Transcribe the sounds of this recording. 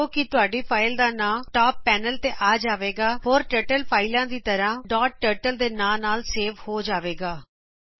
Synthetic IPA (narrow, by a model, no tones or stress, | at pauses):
oːkɪt̪ʊaːɖiːpʰaːɪld̪aːnãːʈaːpːɛːnəlt̪eːʔaːd͡ʒaːʋeːɡaːɦoːɾʈəːʈəlpʰaːɪlãːd̪iːt̪əɾãːɖɔːʈ̚ʈəːɾʈəld̪eːnãːnaːlseːʋhoːd͡ʒaːʋeːɡaː